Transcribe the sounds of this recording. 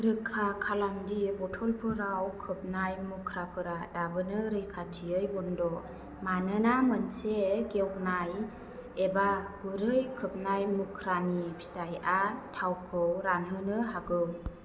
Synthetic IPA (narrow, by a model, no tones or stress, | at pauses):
ɾɯkʰːakʰalamdibɔtʰɔlpʰɯɾawkʰɯp̚najmukʰɾapʰɯɾadabɯnɯɾɯjkʰatʰiɯjbɔndɔ | manɯnamənseɡewnaj | ebabuɾɯjkʰɯp̚najmukʰɾanipʰi̥tajʔatʰawkʰɯwɾanɦɯnɯɦaɡɯw